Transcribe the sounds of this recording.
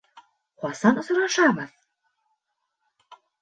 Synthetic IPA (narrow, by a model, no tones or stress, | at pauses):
χɑsɑnŏsŏɾɑʃɑʁɤð